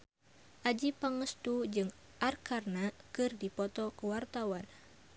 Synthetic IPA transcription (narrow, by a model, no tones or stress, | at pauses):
ʔad͡ʒipaŋəst̪ud͡ʒɨŋ | ʔarkarnakɨrdipɔt̪ɔkəwart̪awan